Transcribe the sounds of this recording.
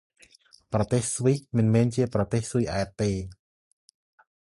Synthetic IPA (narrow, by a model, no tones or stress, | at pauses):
prɑt̪eːhsʋihmɨnmɛːnt͡ɕiəprɑt̪eːhsujʔaɛt̪̚ːeː